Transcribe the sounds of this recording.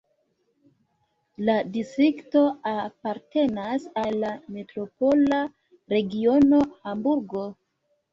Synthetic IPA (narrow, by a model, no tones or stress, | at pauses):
ladistɾikto̞apaɾte̞nasalːame̞tɾo̞po̞la | ɾe̞ɡio̞no̞hambuɾɡo̞